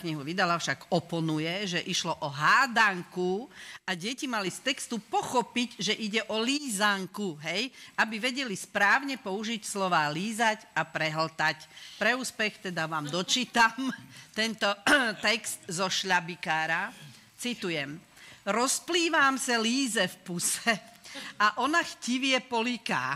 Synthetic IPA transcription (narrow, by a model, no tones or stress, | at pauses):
kɲiɦuʋid̪alafʃaɡɔpɔnujɛʒɛʔiʃlɔʔɔɦaːd̪aŋkuaɟɛcimalist̪ɛkst̪upɔxɔpiɟʒɛʔiɟɛʔɔliːzaŋkuɦɛjʔabiʋɛɟɛlispɾaːʊɲɛpɔuʒicslɔʋaːliːzacapɾɛɦl̩t̪acpɾɛuːspɛxt̪ɛd̪aʋaːmd̪ɔt͡ʃiːt̪amt̪ɛnt̪ɔt̪ɛkst̪zɔʃʎabikaːɾa | t͡sit̪ujɛm | ɾɔspliːʋaːmsaliːzɛfpusɛaʔɔnaxciʋɪɛpɔlika̰ː